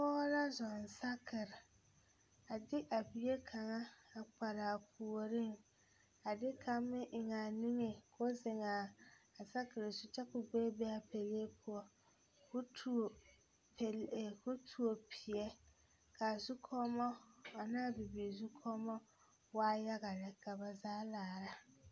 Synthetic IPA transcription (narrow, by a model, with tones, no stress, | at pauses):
pɔː˦ɾa˦zɔ˨n˨sa˦kʰɪ˨ɾɪ˨ | a˨dɪ˦ʔa˨bi˨je˦kʰa˨ŋa˦a˨k͡pa˨ɾa˨pʰu˨o˨ɾɪ˦˨ŋ | a˨dɪ˦kʰa˦mːɪ˦ʔɪ˨ŋa˨ni˦ŋe˨kʰo˦zɪ˨ŋaː˨sa˦kɪ˨ɾɪ˨sʊ˨t͡ʃɛ˦kʊ˨ɡ͡be˦bɛ˦a˨pe˨le˦pʰʊ˨ɔ˦ | kʊ˦tʰ | pkʊ˦tʰu˨o˨pʰi˨jɛ˦ | kʰa˨zu˦kʰɔ˦mɔ˦a˨na˦˨bi˨bi˨zu˦kʰɔ˦mɔ˦ | waː˦ja˦ɣa˨lɛ˨ka˨ba˨zaː˦laː˨ɾa˦